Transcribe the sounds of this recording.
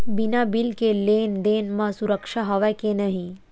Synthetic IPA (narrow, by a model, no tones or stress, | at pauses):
binabilkeleːnd̪eːnmãsuɾəkʃaɦəʋɛkenəɦĩ